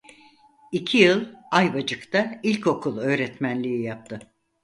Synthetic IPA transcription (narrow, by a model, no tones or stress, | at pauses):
icʰijɯlˠajbad͡ʒɯkt̪ʰailʲco̞kʰulˠø̞ːɾɛt̪mænlʲijijap̚t̪ʰɯ